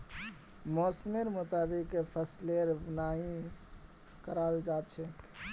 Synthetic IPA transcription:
mɔːsmeɾmʊt̪aːbikpʰəsleɾbnaːĩ | kəɾaːld͡ʒaːt̪t͡ʃʰe

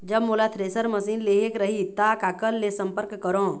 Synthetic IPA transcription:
d͡ʒəbmolat̪ʰɾeːsəɾməsiːnleːekɾəɦit̪akaːkəlːesə̃mpəɾkːəɾõː

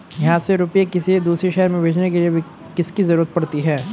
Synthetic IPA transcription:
jɐɦãseɾʊpijekɪsid̪uːsɾiʃɛɦəɾmẽbʱeːd͡ʒnekeliebʱi | kɪskizɐɾuːɾət̪̚pɐɽt̪iɦɛː

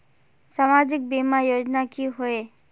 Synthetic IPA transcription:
samad͡ʒɪk̚bemajod͡ʒnakiɦoe

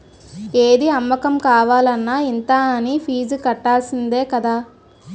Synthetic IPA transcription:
eːd̪iɐmːɐkɐmkaːʋaːlɐnːaːint̪aːɐnipʰiːd͡ʒkɐʈːaːlsind̪e̞ːkɐd̪aː

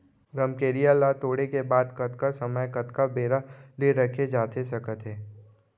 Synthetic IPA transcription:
ɾɐmkeːɾijalat̪oːɽekebaːd̪kɐt̪kasɐməjkɐt̪kabeːɾaliɾɐkʰed͡ʒaːt̪esɐkət̪ɦɛː

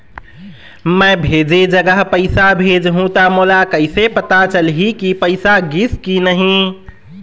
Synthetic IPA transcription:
mə̃bʱed͡ʒed͡ʒəɡəɦpəɪsabʱed͡ʒɦũt̪amoːlakəɪsepət̪at͡ʃəlɦikipəɪsaɡiskinəɦĩ

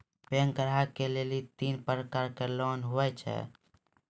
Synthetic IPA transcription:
peŋkəɾakelelit̪inpɾəkaɾkelɔnɦuɛt͡ʃʰɛ̰

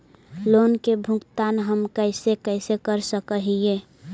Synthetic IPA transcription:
loːnkebʱʊkt̪anɦəmkəɪsekəɪsekəɾsəkəɦie

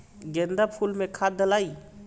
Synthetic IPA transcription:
ɡɛnd̪apʰulmẽkʰad̪əlai

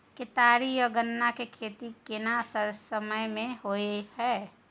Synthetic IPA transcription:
kɪt̪aːɾijɔɡənːakekʰeːt̪ikɪnasəɾsəməjmẽɦoehɛː

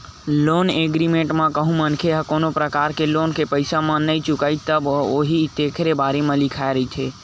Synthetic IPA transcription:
loːneːɡɾimẽːɳʈmãkəɦũmənkʰeɦəkoːnopɾəkaːɾkeloːnkepəɪsamãnəit͡ʃʊkaːit̪əboːɦit̪eːkʰɾebaːɾemãlɪkʰaeɾəɦit͡ʃʰe

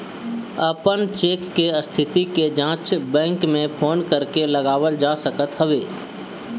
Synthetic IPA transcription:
əpənt͡ʃeːkːeəst̪ʰɪt̪iked͡ʒãːt͡ʃbɛ̃ːŋkmẽpʰoːnkəɾkelɐɡaːʋəld͡ʒaːsəkət̪ɦɐʋeː

